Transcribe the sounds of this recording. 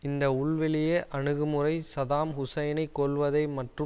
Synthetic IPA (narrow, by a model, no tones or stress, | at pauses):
ɪnd̪ɐʊɭʋɪlɪjeːʔɐɳɯɣɯmɯrɐɪsɐðaːmhʊsɐjɐnɐɪkːɔlʋɐðɐɪmɐʈrɯ